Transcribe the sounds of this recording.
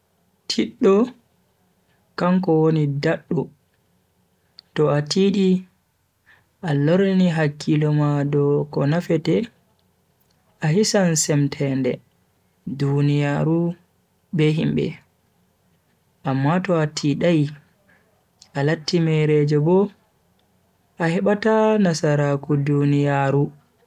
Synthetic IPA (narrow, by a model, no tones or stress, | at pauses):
tʰiɗːɔ | kaŋkɔwonidaɗːu | tɔatʰiɗi | ʔaloɾniɦakʰːilɔmadɔkɔnafɛtɛ | ʔahisansɛmtʰɛndɛ̰ | dunijaːɾu | bɛɦimbɛ̰ | ʔamːatɔatʰiɗaj | ʔalatːimɛɾɛd͡ʒɛbɔ | ʔahɛɓatanasaɾakudunijaːɾu